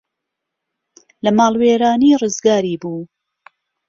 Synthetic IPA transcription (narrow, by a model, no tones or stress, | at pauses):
lɐmɑːlˠweːɾaːniːrɨzɡaːɾiːbuː